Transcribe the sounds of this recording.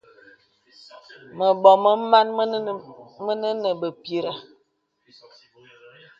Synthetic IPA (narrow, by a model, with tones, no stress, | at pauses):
mə˨ɓɔ˨mə˦ma˦n˦mə˦nə˦nə˨bə˨pi˦ɾə˦